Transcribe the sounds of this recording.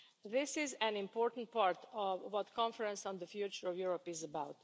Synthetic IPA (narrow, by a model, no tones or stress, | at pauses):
ðɪsɪzæ̃nɪ̃mpoɹtn̩t̚paɹt̪ʰɔvwɔt̪kʰɔ̃nfəɹɛ̃nsnd̪əfjut͡ʃəɹɔvjuɹɔpɪzəbawt